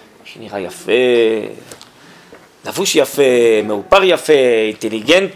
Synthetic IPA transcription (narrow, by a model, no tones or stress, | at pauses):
ʃeniʁajafe | lavuʃjafemeupaʁjafeint̪eliɡent̪